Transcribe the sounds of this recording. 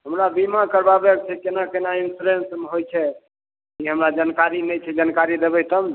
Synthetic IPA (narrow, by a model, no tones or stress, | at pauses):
ɦəmɾabimakəɾbabek̚t͡ʃʰɛkenakenainsuɾensmɦojt͡ʃʰɛ | kiɦəmɾad͡ʒankaɾinɛjt͡ʃʰɛd͡ʒankaɾid̪ebɛt̪əm